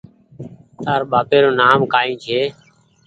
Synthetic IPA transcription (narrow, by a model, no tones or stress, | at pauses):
t̪aːɾɓaːpeːɾoːnaːmkaːĩːt͡ʃʰeː